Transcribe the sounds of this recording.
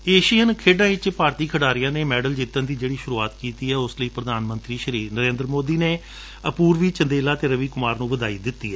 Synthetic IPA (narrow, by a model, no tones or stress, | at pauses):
eːʃijənkʰeːɖãːɪt͡ʃpaːɾt̪iːkʰəɽaːɾɪjãːneːmɛːɖəld͡ʒɪt̪ːə̃nd̪iːd͡ʒeːɽiːʃʊɾuːaːt̪kiːt̪iːɛːʊsləiːpɾəd̪aːnmə̃nt̪ɾiːʃəɾiːnəɾẽːnd̪ɾəmoːd̪iːneː | əpuːɾʋiːt͡ʃənd̪eːlaːt̪eːɾəʋiːkʊmaːɾnũːʋəd̪aːiːd̪ɪt̪ːiːɦɛː